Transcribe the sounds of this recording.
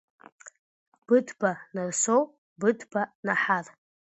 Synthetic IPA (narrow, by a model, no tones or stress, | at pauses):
b̥ɨdʰbanarsow | bɨdʰbanaħar